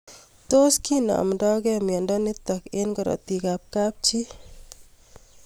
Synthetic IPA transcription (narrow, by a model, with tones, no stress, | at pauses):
t̪o˦ski˦nɔ̰˨mdɔ˦ɡɛ˦mjɔ˨ndɔ˦nɪ˦t̪ɔ˨ke˦nɡɔ˨ɾɔ̰˨t̪i˨ka˨p̚kap̚t͡ʃi˦